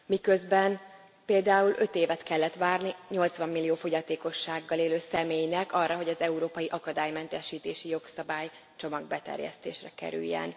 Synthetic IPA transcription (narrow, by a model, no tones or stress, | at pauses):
mikøzbɛn | peːld̪aːulø̞t̪eːvɛt̪kɛlːɛt̪ʋaːrniɲo̞lt̪sʋɒmːilːijoːfo̞ɟɒt̪eːko̞ʃːaːɡːɒleːløːsɛmeːjnɛkɒrːɒɦo̞ɟɒzɛuɾoːpɒjiʔɒkɒd̪aːjmɛnt̪ɛʃiːt̪eːʃijo̞ksɒbaːj | t͡ʃo̞mɒɡ̚bɛt̪ɛ̰rjɛ̰st̪eːʃrɛkɛ̰ɾy̰jːɛ̰n